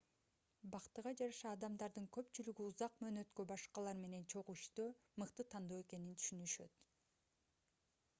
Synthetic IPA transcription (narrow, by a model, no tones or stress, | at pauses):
bɑqt̪ɯʁɑd͡ʒɑɾɑʃɑːd̪ɑmd̪ɑɾd̪ɯŋkø̞pt͡ʃylyɡyuzɑqmø̞ːnø̞t̪købɑʃqɑlˠɑɾme̞ne̞nt͡ʃʰo̞ʁuʃt̪ømɯqt̪ɯt̪ʰɑnd̪oːe̞ke̞nint̪ʰy̥ʃynyʃø̞t̪